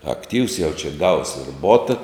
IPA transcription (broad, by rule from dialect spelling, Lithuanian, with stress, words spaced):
ɐkˈtʲiːws jɛʊ t͡ʃʲɛ ɡɐʊs ɪr ˈboːtɐ